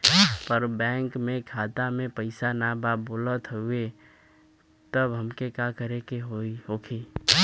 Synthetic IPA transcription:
pəɾbɛ̃ːŋkmẽkʰaːt̪amẽpəɪsanababoːlət̪ɦue | t̪əbɦəmkekakəɾekeɦoiɦokʰe

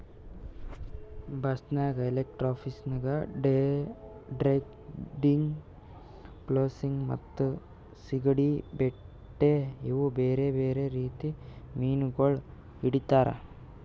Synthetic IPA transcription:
bɐsnaːɡɐelek̚ʈɾaːpʰisnɐɡɐɖe | ɖɾeɡ | ɖiŋɡ | ploːsiŋɡmɐ̰t̪ːu | siɡɐɽibe | ʈːeiʋubeːɾebeːɾeɾiːt̪imiːnuɡoɭ | iɽit̪aːɾɐ̰

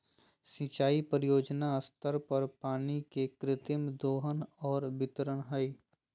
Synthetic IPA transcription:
sĩːt͡ʃaːipɾjoːd͡ʒnaəst̪əɾpɐɾpaːnikekɾɪt̪ɪmd̪oːɦənɔːɾbɪt̪ɾəɽɦəi

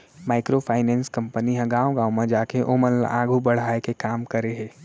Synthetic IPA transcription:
maːɪkɾopʰaːɪnɛ̃ːnskɐ̃mpəniɦɛ̃ɡaːoɡãːomãd͡ʒaːkeʔoːməlã̰ːɡʱubɐɽ̤aːekekaːmkəɾeɦɛ̃ː

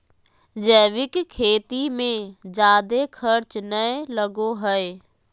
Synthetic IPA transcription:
d͡ʒəːʋɪkkʰeːt̪imẽd͡ʒaːd̪ekʰɐɾt͡ʃnəelɐɡoɦəe

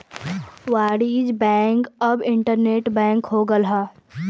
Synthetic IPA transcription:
ʋaːɽiːd͡ʒbɛ̃ːŋkɐbɪ̃ɳʈəɾneːʈbɛ̃ːŋkɦoːɡəlɦaː

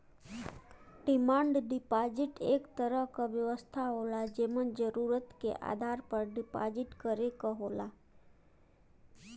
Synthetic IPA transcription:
ɖimãɳɖɖipad͡ʒiʈekt̪əɾəkəʋjəʋəst̪ʰaɦolad͡ʒemənd͡ʒəɾuɾət̪kḛʔa̰d̪ʱaɾpəɾɖipa̰d͡ʒiʈkəɾekəɦola

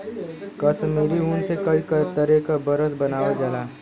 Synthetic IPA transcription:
kɐʃmiːɾiuːnsekɐikɐɾt̪əɾekabɐɾəsbɐnaːʋad͡ʒalaː

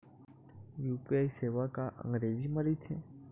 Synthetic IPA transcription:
juːpiaiseːʋakaʔə̰̃ŋɡɾeːziməɾit̪ʰḛ

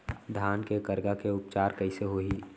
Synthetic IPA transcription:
d̪ʱaːnkekəɾɡakeʊp̚t͡ʃaːɾkəɪseɦoi

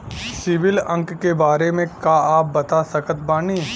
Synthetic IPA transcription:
sɪʋɪlɐ̃ŋkːebaːɾemẽkaaːp̚bɐt̪asɐkət̪̚baːniː

